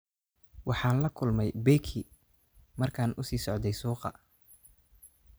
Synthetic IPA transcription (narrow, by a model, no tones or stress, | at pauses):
wɑħɑːnlɐkʰʊlmɛjbɛjkʰi | mɐrkʰaːnʔʊsiːsɔʕd̪ɛjsuːqɑ̰